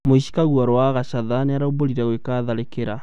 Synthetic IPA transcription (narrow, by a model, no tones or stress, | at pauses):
moiʃi̥kaɣuaɾowaɣaʃaðaneaɾauboliɾaɣwekaðalekeɾa